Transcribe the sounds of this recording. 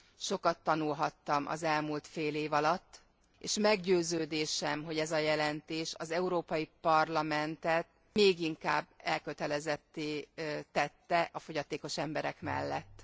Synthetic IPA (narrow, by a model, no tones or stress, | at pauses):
ʃo̞kɒt̪ːɒnulɦɒt̪ːɒmʔɒ̰zɛlmult̪feːleːvɒlɒt̪ː | eːʃmɛɡɟøːzøːd̪eːʃɛmɦo̞ɟɛzɒjɛlɛnt̪eːʃɒzɛuɾoːpɒjipɒrlɒmɛnt̪ɛt̪̚ | meːɡiŋkaːbːɛlkø̞t̪ɛlɛzɛt̪ːeːt̪ɛt̪ːɛʔɒfo̞ɟɒt̪eːko̞ʃɛmbɛɾɛkmɛ̰lːɛt̪ː